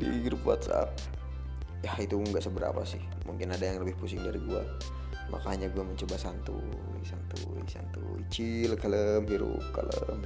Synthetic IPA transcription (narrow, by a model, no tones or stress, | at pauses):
diɡɾupwa̰t̪sa̰p̚ | jahit̪uŋɡaʔsəbəɾa̰pasɪh | muŋkɪnadajaŋləbɪhpusɪŋdaɾiɡua | mʔa̰kaɲaɡuaməɲt͡ʃobasant̪ṵ | jsant̪u | isa̰nt̪uit͡ʃilkaləmɦiɾʊ̰p̚kaləm